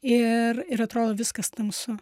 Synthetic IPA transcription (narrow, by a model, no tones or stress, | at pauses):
ɪrɪɾɐt̪ɾoːd̪oːʋʲɪskɐst̪ɐmsʊ